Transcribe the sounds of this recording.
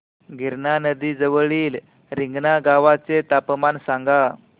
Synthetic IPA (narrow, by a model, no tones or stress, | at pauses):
ɡʱiɾɳanəd̪iːd͡zəʋəɭiːl | ɾiŋɡnaɡaʋat͡set̪apmansaŋɡa